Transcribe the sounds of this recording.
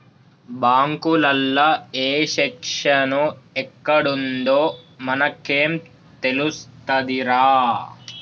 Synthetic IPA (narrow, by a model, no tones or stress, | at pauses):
baːŋkulɐlːɐeːʃɛkʂɐnuɛkːɐɽund̪oːmɐnɐkeːm | t̪e̞lust̪ɐd̪iɾaː